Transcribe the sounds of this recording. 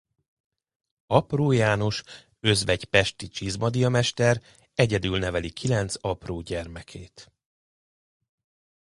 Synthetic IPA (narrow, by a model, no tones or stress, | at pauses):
ɒproːjaːno̞ʃ | ø̞zvɛɟpɛʃt̪it͡ʃizmɒd̪ijɒmɛʃt̪ɛɾ | ɛɟɛd̪ylnɛvɛlikʰilɛnt̪sɒproːɟɛrmɛkʰeːt̪